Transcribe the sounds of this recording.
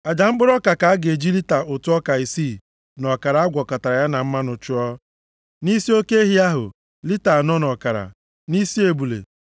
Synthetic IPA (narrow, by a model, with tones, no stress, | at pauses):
a˨d͡ʒa˨ŋ͡m̩˦ɡ͡bʊ˦ɾɔ˦ka˨ka˨a˦ɡe˨d͡ʒi˦li˦ta˨ʔʊ˨tʊ˦ɔ˦ka˨i˨siː˦˨ | nɔ˨ka˨ɾa˨a˦ɡʷɔ˨ka˨ta˨ɾa˨ja˦na˨m̩˦ma˦nʊ˨t͡ʃʊ˦ɔ˦ | ni˦si˦o˦ke˦e˦ɦi˦a˦ɦʊ̰˨ | li˦ta˨nɔ˦nɔ˨ka˨ɾa̰˨ | ni˦si˦e˨bu˨lḛ˨